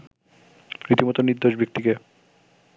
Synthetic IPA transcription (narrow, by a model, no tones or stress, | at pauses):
ɾit̪imot̪onid̪ːoʃbik̚t̪ike